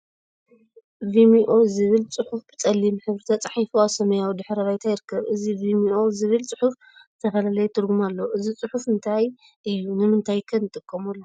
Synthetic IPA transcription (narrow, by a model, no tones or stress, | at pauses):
vimiʔo̞zɨβɨlt͡sʼɨħufbɨt͡sʼɐlːimħɨβɨɾɨt̪ʰat͡sʼaħajfuasɐmɐjawid̪ɨħɾɐβajt̪ʰajɪɾɨkːɐβɨzivimiʔo̞zɨβɨlt͡sʼɨħuf | zɨt̪ʰɐfɐlalɐjet̪ʰɨɾɡumalːɐʔɨzit͡sʼɨħufɨnt̪ʰaj | ʔɨjːunɨmɨnt̪ʰajkʰɐnːɨt̪ʼɨkʼːɐmulːo